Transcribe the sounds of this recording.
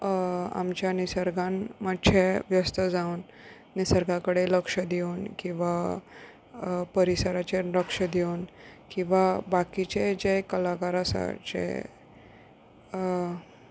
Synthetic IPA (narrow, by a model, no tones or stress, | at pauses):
a̰mt͡ɕjanisəɾɡanməɕʰeʋjəst̪əd͡zaunː | isəɾɡãkəɽeləkʂəd̪eunkĩw̃ʋa | pəɾisəɾat͡ɕeɾəkʂəd̪eunkĩw̃ʋabakit͡ɕed͡ʑɛkəlakaɾasa̰t͡ɕḛ